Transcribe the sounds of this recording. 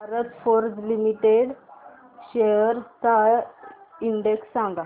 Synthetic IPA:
bʱaɾət̪foɾd͡zlimiʈeɽ | ɕejəɾt̪a | iɳɖeksːãŋɡa

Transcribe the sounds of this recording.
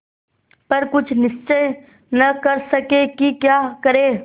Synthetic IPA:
pɐɾkʊt͡ʃʰnɪʃt͡ʃəj | nɐkɐɾsɐkekikjaːkɐɾeː

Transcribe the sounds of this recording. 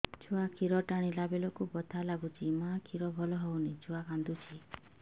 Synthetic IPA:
t͡ʃʰuakʰiɾɔʈaɽ̃ilabelɔkubɔt̪ʰalaɡut͡ʃʰimakʰiɾɔbʱɔlɔɦɔwnit͡ʃʰuakand̪ut͡ʃʰi

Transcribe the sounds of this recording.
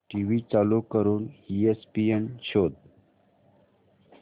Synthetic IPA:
ʈiwit͡saːlukəɾuniespienɕoːd̪̚

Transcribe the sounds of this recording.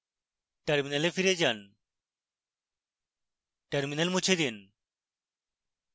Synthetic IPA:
ʈaɾminalefiɾed͡ʑan | ʈɐɾminalmut͡ɕʰed̪in

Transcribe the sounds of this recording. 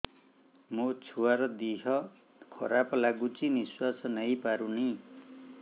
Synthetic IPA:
mot͡sʰuaɾʌd̪iɦʌ | kʰʌɾaplaɡut͡siniswasʌnʌjpaɾuni

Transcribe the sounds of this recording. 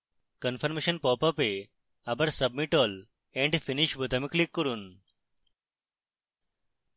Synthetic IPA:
kənfʰəɾmeɕənpɔpɐpe | abəɾsəbmiʈɔl | ẽɳɖfiniʃbut̪amiklikːəɾuːn

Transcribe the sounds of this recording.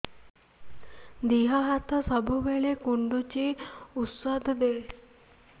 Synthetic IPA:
d̪iɦaɦat̪əsəbʱubeɭekuɳɖut͡ʃiut̪sad̪ʱd̪e

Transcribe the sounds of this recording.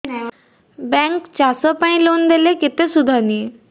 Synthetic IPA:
bɛ̃ŋkt͡ɕasɔpaɳ̃ĩlond̪elekit̪esud̪ʱani

